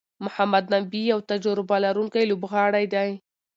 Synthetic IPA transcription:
mʊhamad̪nabijawt̪ad͡ʒaɾɪbalaɾuŋkajlobɣɑɽajd̪aj

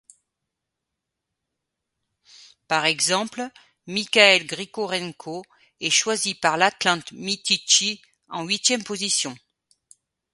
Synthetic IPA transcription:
paʁɛɡzɑ̃pl | mikʲaɛlɡʁikoʁɛŋkʰo | ɛʃwazipaʁlat̪lɑ̃t̪mit̪it͡ʃi | ɑ̃ɥit̪jɛmpozisjɔ̃

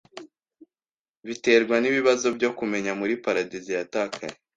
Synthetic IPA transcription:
βite̞ːɾɡwaniβiβazo̞bɟo̞kume̞ɲamuɾipaɾadizijatakʰa̰ɾe

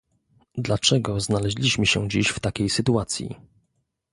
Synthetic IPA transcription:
d̪lat͡ʂɛɡɔznalɛʑlʲiɕmɘɕɛ̰̃d͡ʑiɕft̪akʲejsɘt̪uat̪sʲjḭ

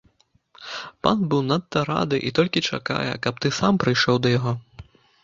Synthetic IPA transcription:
pa̰nbɨwnat̪ːɐɾa̰d̪ɨʔit̪ɔlʲkʲit͡ʂa̰ka̰jɛ̰kɐp̚t̪ɨsampɾɨjʂɔwd̪ɐjaɣɔ

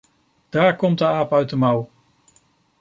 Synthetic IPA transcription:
d̥aːɹkɔmt̚dəaːpœɥt̚dəmɑw

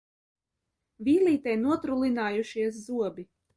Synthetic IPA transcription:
vʲiːlʲˠiːt̪ɛjnuɔt̪ɾulˠinaːjuʃiɛs̬zuɔbʲi

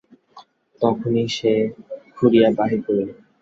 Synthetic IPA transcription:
t̪ɔkʰoniʃekʰuɾijabaɦiboɾe

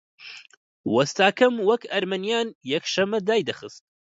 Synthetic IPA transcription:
wɐst̪aːkʰɐmwɐkɐɾmɐnijaːnjɛkʃɐmːɐd̪aːjd̪ɐxɨst̪̚

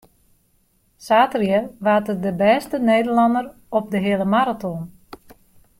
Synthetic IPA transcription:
saːtrjəʋaːtədəbɛːstəneːdərlɑndər | ɔp̚dəɦɪələmaɾatɔn

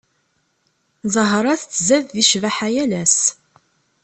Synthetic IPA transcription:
zˤəɦɾˤɑθt͡sːzæðːiʃvaħajælæs

